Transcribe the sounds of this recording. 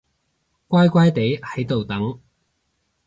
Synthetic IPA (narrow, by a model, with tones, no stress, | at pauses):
kʷwaː˥jkʷa˥jt̪e˨˥jhɐ˨˥jt̪o˨wt̪ɐ˨˥ŋ